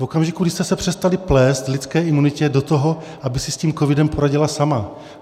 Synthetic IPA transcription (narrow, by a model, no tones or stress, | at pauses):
vo̞kamʒɪkuɡdɪʃst̪ɛsɛpr̝̥ɛst̪alɪplɛːst̪vlɪt͡skɛːʔɪmunɪcɛdot̪oɦo̞ | ʔabɪsɪsciːmkovɪdɛmpo̞ɾaɟɪlasama